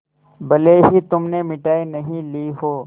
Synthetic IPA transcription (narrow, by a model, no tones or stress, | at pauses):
bɐleɦit̪ʊmnemɪʈaːinɐɦĩliːɦoː